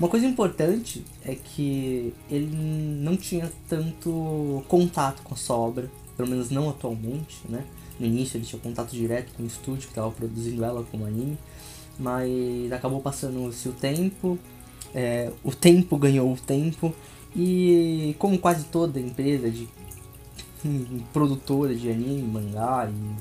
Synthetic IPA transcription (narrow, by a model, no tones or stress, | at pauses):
ũmɐkojzɐĩmpoɾt̪ɐ̃nt͡ʃɪ | ɛkʰɪelɪ̃nɐ̃w̃t͡ʃĩɲɐt̪ɐ̃nt̪ʊkõnt̪at̪ʊ̥kõɐsuɐɔbɾɐ | pelomẽnʊznɐ̃w̃at̪uawmẽnt͡ʃɪ̥nɛ | nʊinisjʊelɪt͡ʃĩɲɐkõnt̪at̪ʊd͡ʒiɾɛt̪ʊ̥kõw̃ɪst̪ud͡ʒʊkɪ̥t̪avɐpɾod̪uzĩnd̪ʊɛlɐkõmʊanĩmɪ | mɐzakabowpasɐ̃nd̪ʊsiʊt̪ẽmpʊ | ɛʊt̪ẽmpʊɡɐ̃ɲowʊt̪ẽmpʊ | ɪkõmʊkwazɪt̪od̪ɐẽmpɾezɐd͡ʒɪ | pɾod̪ut̪oɾɐd͡ʒɪanĩmɪmɐ̃ŋɡaɪ